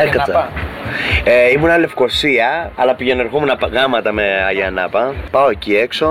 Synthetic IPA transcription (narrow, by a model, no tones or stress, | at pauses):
ekɐ | eimunɐle̞fko̞siɐɐlɐpiʝenoɾxumunɐpɣɐmɐt̪ɐmeɐʝɐnɐpɐpɐoeciekso